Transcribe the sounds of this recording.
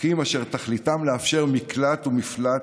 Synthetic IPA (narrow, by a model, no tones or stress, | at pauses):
kimaʃe̞ʁt̪aχlit̪amleafʃe̞ʁmiklat̪umifla